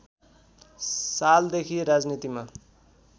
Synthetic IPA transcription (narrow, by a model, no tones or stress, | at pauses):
sald̪ekʰiɾad͡znit̪ima